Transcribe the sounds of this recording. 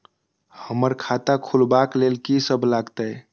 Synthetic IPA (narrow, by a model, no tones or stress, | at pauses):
həməɾkʰat̪akʰulbaklelkisəbʱlaɡt̪əj